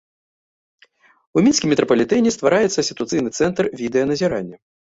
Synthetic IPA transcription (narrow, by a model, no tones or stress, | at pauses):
umʲinsʲkʲimʲɛt̪ɾɐpɐlʲit̪ɛnʲɛst̪vaɾajɛt̪sːɐsʲit̪ut̪sɨjnɨt̪sɛnt̪rvʲid̪ɛjɐnɐzʲiɾanʲːɐ